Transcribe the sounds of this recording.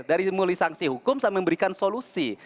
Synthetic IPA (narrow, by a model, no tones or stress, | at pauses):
daɾimulisaŋsiɦukʊmsamɛəmbəɾikansolusi